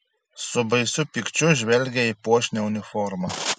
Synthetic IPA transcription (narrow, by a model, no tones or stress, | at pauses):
sɔbɐjsupikt͡ʃuʒʋɛlɡɛipoːʃnʲɛunifɔɾma